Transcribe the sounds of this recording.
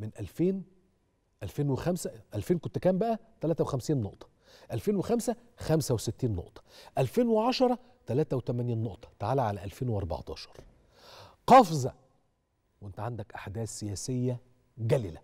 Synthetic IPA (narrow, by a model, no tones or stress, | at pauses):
mɪnʔælfeːn | ʔælfeːnwexæmsæʔælfeːnkont̪ekæːmbæʔæt̪ælæːt̪æwexæmsiːnːoʔt̪ˤɑ̥ | ʔælfeːnwexæmsæ | xæmsæweset̪ːiːnːo̰ʔt̪ˤɑ̥ʔælfeːnweʕɑʃɑɾˤɑ | t̪ælæːt̪æwet̪æmæniːnːoʔt̪ˤɑ̥t̪aʕaːlæʕalæ̰ʔælfeːnweʔɑɾˤbɑ̰ʕt̪ˤɑ̰ːʃɑɾˤ | qɑfzɑ̰ | wʔent̪æʕand̪ækʔaħd̪æːθːejæːsejːæ | ɡæliːlæ